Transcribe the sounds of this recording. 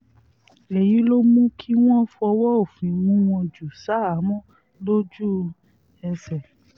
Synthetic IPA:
le˨ji˨˦lo˦mũ˦kʰi˦w̃ɔ̃˦fɔ˧wɔ˦o˦˨fĩ˨wũ˨˦w̃ɔ̃˧d͡ʒu˨sa˨˦a˨˦mɔ̃˦ | lo˦d͡ʒu˦ | ɛ˧sɛ˨

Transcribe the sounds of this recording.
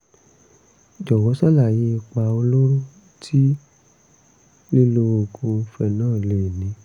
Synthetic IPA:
d͡ʒɔ˨wɔ˨˦sa˦˨la˦˨je˨˧˦i˧k͡pa˧o˧lo˦ɾu˦ | tʰi˦ | li˦lo˧o˧ɡõ˧fɛ˧˨nãː˦˨le˨nĩ˨˦

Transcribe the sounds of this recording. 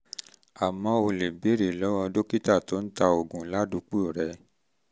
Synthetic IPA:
a˨mɔ̃˧o˧le˨be˨˦ɾe˨lɔ˨˦wɔ̃˧do˦ki˦ta˦˨to˨˦n̩˦ta˧o˨ɡũ˨˦la˦du˧˦k͡pu˦o˨ɾɛ˨˧˦

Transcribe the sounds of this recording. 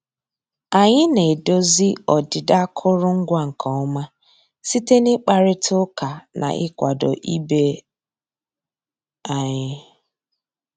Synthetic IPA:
a˨ɲɪ˦ne˨e˨do˦zi˦ɔ˨dɪ˨da˦kʰʊ˦ɾʊ˦ŋ̩˦ɡʷa˦ŋ̩˨kɔ˨ɔ˦ma˦ | si˦te˦nɪ˦k͡pa˦ɾɪ˦tʰʊ˦ka˨nʔa̰˨ʔɪ̰˦kʷa˨dɔ̰˨ʔi˦be˦ | a˨ɲɪ˦

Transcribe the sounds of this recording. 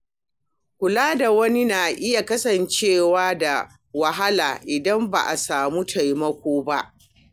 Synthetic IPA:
kʷʊ˨laː˦da˨wɐ˦ni˦na˨ʔɪ˦ja˨kɐ˦sɐ˨nt͡ʃeː˦˨waː˦da˨ | wa˨ɦa˦la̰ː˨ʔɪ˨dɐ˦mba̰˨ʔa˨saː˨mu˦tʰa˨jmɐ˦kʷoː˦ba˦ʔ

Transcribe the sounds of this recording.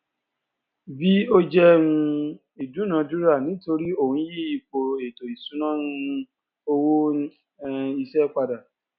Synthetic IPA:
bi˦o˦d͡ʒɛ˦ũ˧ | i˨du˨˦nã˨˦du˦ɾa˦˨nĩ˨˦to˧ɾi˦o˦˨hũ˨˧˦ji˦i˨˧˨k͡po˧e˨to˨i˨sũ˨˦nã˦nũ˦˧˦ | o˧wõ˦ | i˧sɛ˦k͡pa˧da˨

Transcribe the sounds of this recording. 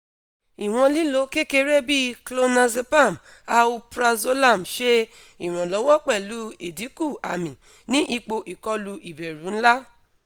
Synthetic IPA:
i˨w̃ɔ̃˧li˦lo˨˦ke˦ke˧ɾe˦˨bi˦klo˧na˧ze˧pa˦˨m | a˧wu˧pɾa˧zo˦la˦˨mʃe˦ | i˨ɾ̃ɔ̃˨lɔ˨˦wɔ̃˦k͡pɛ˦˨lu˧e˨di˨˦ku˦˨a̰˨mĩ˨ | nĩ˦ʔi˧k͡po˧ʔi˨kɔ˧lu˧ʔi˨be˨ɾũ˨˦n̩˦la˦

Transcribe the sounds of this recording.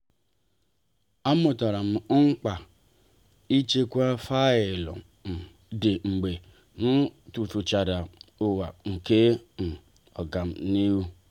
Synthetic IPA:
a˦mʊ˨ta˨ɾa˨m̩˨˦ŋ͡m̩˦k͡pa˨ | i˦t͡ʃe˦kʷa˦fa˦ɪ˨lɔ̰˨ | m̩˨ | de˨ŋ͡m̩˨ɡ͡be˨ | nʊ˦tu˨tu˨t͡ʃa˨da˨ʊ˦wa˨ŋ̩˨ke˦m̩˨ | ɔ˨ɡa˨m̩˨ni˦wu˦

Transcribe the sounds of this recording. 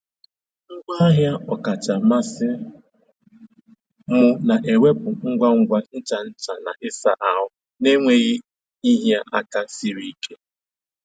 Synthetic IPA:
ŋ̩˦ɡa˦a˦ɦja˦ɔ˨ka˨t͡ʃa˨ma˦sɪ˦ | mʊ˦na˨ʔe˨wʷe˦pʊ˨ŋ̩˦ɡʷa˦ŋ̩˦ɡʷa˦n̩˦t͡ʃa˨n̩˦t͡ʃa˨na̰˨ʔɪ˦sa̰˨ʔa˨ɦʊ˦ | ne˦ŋʷe˨ɣi˦ | i˦ɦja˦ʔa˦ka˦si˦ɾi˦ke˦

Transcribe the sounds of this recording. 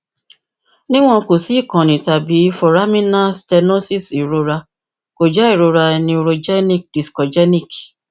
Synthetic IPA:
nĩ˦w̃ɔ̃˧ko˨si˨˦˨kɔ̃˨nĩ˨ta˨bi˨˦fɔ˨ɾa˦mĩ˦nã˦stɛ˧no˦si˦si˨ɾo˧ɾa˧ | ko˨d͡ʒa˦i˦˨ɾo˧ɾa˧nĩ˧o˧ɾo˧d͡ʒɛ˦nĩ˦k̚di˨skɔ˨d͡ʒɛ˦nĩ˦˨k

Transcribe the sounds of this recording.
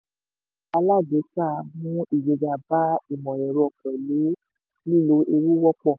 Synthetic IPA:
a˧la˦˨d͡ʒe˨˦ta˦˨mũ˦i˨d͡ʒe˨d͡ʒa˨ba˦i˨mɔ̃˨jɛ˨ɾo˧˦ɔ˨kã˨li˨˦ | li˦˨lo˨˦ʔi˧ɾu˦wɔ˦k͡pɔ˦˨

